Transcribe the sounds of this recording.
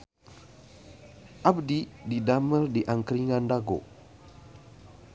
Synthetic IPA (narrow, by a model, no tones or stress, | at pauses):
ʔabdididamərdiʔaŋkɾiŋandaɡo̰